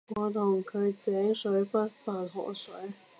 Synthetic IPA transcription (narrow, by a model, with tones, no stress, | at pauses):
ŋɔː˨˧t̪ʰʊ˨˩ŋkʰɵ˨˧ɥt͡sɛː˨˥ŋsɵ˨˥ɥfɐ˥t̚faː˨˩nɦɔ̰ː˨˩sɵ˨˥ɥ